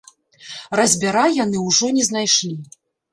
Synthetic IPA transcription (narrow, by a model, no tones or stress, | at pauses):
rɐzʲbʲaɾajanɨwʐɔnʲɛznajʂlʲi